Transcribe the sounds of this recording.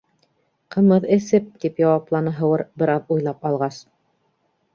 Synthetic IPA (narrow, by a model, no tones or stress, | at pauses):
qɤ̆mɤðɘ̆sɘp̚t̪ipjɑwɑplˠɑnɤɦɤ̆wɤɾbɘ̆ɾɑðujlˠɑpɑlˠʁɑs